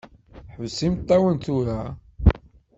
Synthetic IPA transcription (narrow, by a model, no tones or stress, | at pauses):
ħəvsimt̪ˤːæwənt̪uɾæ